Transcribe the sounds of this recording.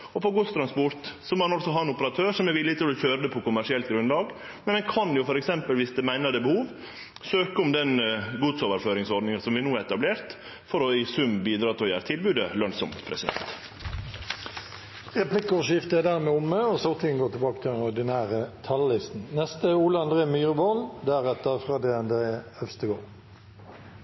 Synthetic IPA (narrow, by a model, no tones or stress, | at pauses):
ɔpʰɔɡʊst̪ʰɾɑnspʊɾt̪sɔmoːɑnɔlsɔɦɑːɛnʊpəɾɑt̪ʰøːɾʂɔmɛʋɪlːɪt̪ʰɪlɔçøːɾəd̪əpʰɔkʊmæʂɪɛlt̪̚ɡɾʉnlɑːɡ | mɛnɛkʰɑnjʊfɔɾɛksɛmpəlʋɪsd̪ɛmæɪnəd̪əbəhuːʋ | søːkəʊmd̪ɛnɡuːd̪soːʋəɾføːɾɪŋsɔɾɖ̪nɪŋɑsɔmʋɪnuːæɾɛt̪ɑbleːɾt̪ | fɔɾɔɪsʉmbiːd̪ɾɑːt̪ʰɪlɔjæːɾət̪ʰɪlbʉːd̪əlœnsɔmt̪pʰɾɛsɪd̪ɛ̰nt̪ | ʁɛpʰlɪkʊʃɪft̪əæd̪æʁmeʊməɔsɔʁt̪ʰɪənɡoːt̪ʰɪbɑːkət̪ʰɪd̪ɛnɔd̪ɪnæːʁət̪ʰɑllɪst̪n̩nɛst̪əuːləɑnd̪ʁeːmyːʁʋoːld̪æɾɛt̪əɾfʁɑːd̪eːɑnd̪ɾeːœfst̪əɡoːɾ